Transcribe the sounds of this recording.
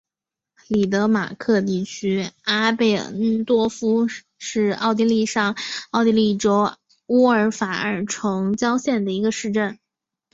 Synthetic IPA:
li˨˩t̪ɤ˧˥ma̰˨˩kʰɤ˥˧t̪i˥˩t͡ɕʰy˥a˥pe˥˩˥t̪wɔ˥fu˥ | ʂɻ̩˥˩˧ɑ˥˧˩ʊt̪̬i˧˥˧li˥˧ʂɑ˥˧ŋɑ˥˧ʊt̪i˥˧li˥˩ʈ͡ʂo˥ʊ | u˥ə˞˧˥fa˨˩ə̰˞˨˩ʈ͡ʂʰɤ˧˥ŋt͡ɕjɑ˥ʊɕjɛ˥˩nd̪ə˩i˧˥ɡə˧ʂɻ̩˥˧ʈ͡ʂə˥˩n

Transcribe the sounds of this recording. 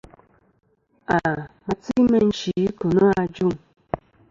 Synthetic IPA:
a˨ma˨t͡si˦mə˦n̩˨t͡ʃi˨˦ko˨nə˦a˦˨d͡ʒu˦˨ŋ

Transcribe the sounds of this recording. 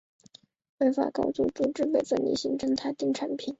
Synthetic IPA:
we˥ɪfa̰˨˩kɑ˥ʊt͡sṵ˥˧ʈ͡ʂu˥˧ʈ͡ʂɻ̩˥˧pe˨˩ɪfə˥˩nlḭ˧˥˩ɕi˧˥ŋʈ͡ʂɤ˥ŋt̪ʰa˥ɪt̪i˥˩ŋʈ͡ʂʰa˧˥npʰi˨˩˦n

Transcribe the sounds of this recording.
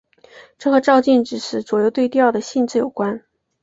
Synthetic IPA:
ʈ͡ʂɤ˥˩xɤ˧˥ʈ͡ʂɑ˥˧ʊt͡ɕi˥˩nʈ͡ʂɻ̩˨˩ʂɻ̩˧˥˩t͡swɔ˨˩jo˥˧ʊt̪we˥˧ɪt̪̬jɑ˥˩ʊd̪ə˩ɕi˥˧nt͡sɹ̩˥˩jo˨˩ʊkwa˥n

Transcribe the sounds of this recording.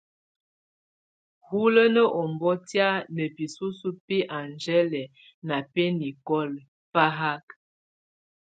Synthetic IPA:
hu˦lə˦nə˦ʔɔ˨mbɔ˦tja˦nə˨bi˨su˦su˦pi˦ʔa˨nd͡ʒɛ˦lɛ˨ | na˨pe˦ni˨kɔ˦l | fa˦ɦa˦k

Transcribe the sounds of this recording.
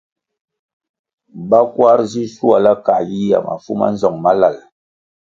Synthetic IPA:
ba˦kwa˦ɾzi˦su˦a˨la˦ka˨ji˦a̰˨ma̰˨fu˦ma̰˦n̩˦zɔ˨ŋma˦la˦˨l

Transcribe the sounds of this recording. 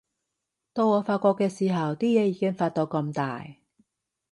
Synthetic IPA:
t̪o˧wŋɔː˨˧faː˧t̚kɔː˧kːɛː˧siː˨˩ɦɐ˨wt̪iː˥jɛː˨˧jiː˨˧˥kɪ˥ŋfaː˧t̚t̪o˧wkɐ˧mt̪a̰ː˨j

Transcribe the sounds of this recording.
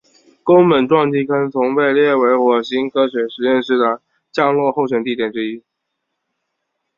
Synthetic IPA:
kʊ˥ŋmə˨˥nʈ͡ʂwɑ˥˧ŋt͡ɕi˥˩kʰə˥nt͡sʰʊ˧˥ŋwe˥˧ɪljɛ˥˩we˧˥ɪxwɔ˨˩ɕi˥ŋkʰɤ˥ɕɥɛ˧˥ʂɻ̩˧˥jɛ˥˧nʂɻ̩˥˩ʈ͡ʂɑ˨˩ŋ | t͡ɕjɑ˥˧ŋlwɔ˥˧xo˥˩ʊɕ̬ɥɛ˨˩nt̪i˥˩t̪jɛ˨˩nʈ͡ʂɻ̩˥i˥

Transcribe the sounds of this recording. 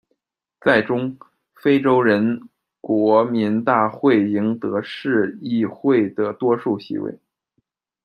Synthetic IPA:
t͡sa˥˩ɪʈ͡ʂʊ˥ŋ | fe˥ɪʈ͡ʂo˥ʊɻə˧˥n | kwɔ˧˥mi˧˥nt̪a˥˧xwe˥˩ɪi˧˥ŋt̪ɤ˧˥ʂɻ̩˥˧i˥˧xwe˥˩ɪd̪ə˩t̪wɔ˥ʂu˥˩ɕḭ˧˥wḛ˥˩ɪ

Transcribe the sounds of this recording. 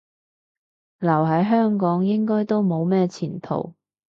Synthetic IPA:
lɐ˨˩wɦɐ˨˥jɦœː˥ŋkɔː˨˥ŋjɪ˥ŋkɔː˥jt̪o˥wmo˨˧wmɛː˥t͡sʰiː˨˩nt̪ʰo̰˨˩w

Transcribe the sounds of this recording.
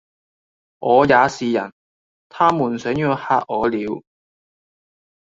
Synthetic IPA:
ŋʔɔː˨˧jaː˨˧siː˨jɐ̰˨˩n | t̪ʰaː˥muː˨˩nsœː˨˥ŋjɔː˨˧haː˧ʔ̚ɔː˨˧liː˨˧˥w

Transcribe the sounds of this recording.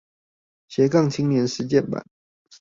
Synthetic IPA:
ɕjɛ˨˥kɑ˥˨ŋt͡ɕʰi˥ŋnjɛ˧˥nʂɻ̩˧˥t͡ɕjɛ˥˩npa̰˨˩˦n

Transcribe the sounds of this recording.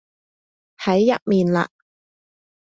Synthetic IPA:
hɐ˨˥jːɐ̰˥t̚miː˨nla̰ː˧

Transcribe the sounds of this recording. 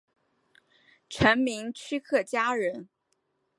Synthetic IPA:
ʈ͡ʂʰə˧˥nmi˧˥ŋt͡ɕʰy˥kʰɤ˥˩t͡ɕja˥ɻə˧˥n

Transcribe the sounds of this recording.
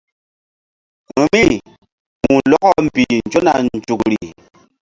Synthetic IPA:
mɨ˨mi˦ | mu˨lɔ˦kɔ˦m̩˨bi˨n˨d͡ʒo˦na˨nn̩˨d͡ʒu˨k̚ɾi˨

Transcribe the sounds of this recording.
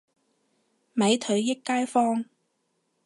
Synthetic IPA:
mɐ˨˧˥jt̪ʰɵ˨˥ɥjɪ˥kːaː˥jfɔː˥ŋ

